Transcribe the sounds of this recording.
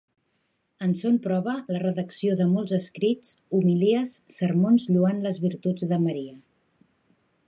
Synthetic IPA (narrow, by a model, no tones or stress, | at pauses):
ənsonpɾɔβ̞ələrəðəksioðəmɔlˠzəskɾit͡sumiliəsːəɾmonzʎuanləzβiɾt̪ud͡zðəməɾiə